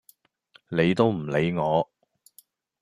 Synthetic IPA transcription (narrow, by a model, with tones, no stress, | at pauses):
ne˨˧jt̪o˥wm̩˨˩le˨˧jŋɔː˨˧